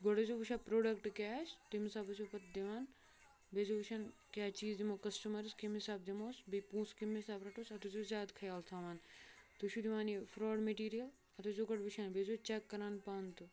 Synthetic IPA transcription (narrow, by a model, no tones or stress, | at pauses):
ɡɔɽɐzobuʃapɾoːɖɐkʈkʲaːst̪imsaːbɐsopɐt̪d̪eʋaːn | bezoːbuʃʰankʲaːt͡ʃiːzd̪imokɐsʈumɐɾskimisaːb̚d̪imoːsbipũːskimisaːbɾɐʈoːsɐt̪ud͡ʒoːzʲjaːd̪kʰɐjaːlt̪ʰaːʋaːnt̪uʃʰud̪iʋaːnjefɾɔːɖmeʈiːɾijɐl | ɐt̪ozoɡɐɽbuʃʰanbezoːt͡ʃekːɐɾaːnpaːnt̪u